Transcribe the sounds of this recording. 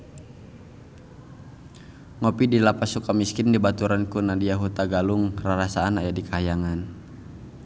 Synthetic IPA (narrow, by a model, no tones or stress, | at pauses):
ŋɔpidilapasukamiskɪndibat̪uɾankunadiaɦut̪aɡaluŋraɾasaːnajadikaajaŋan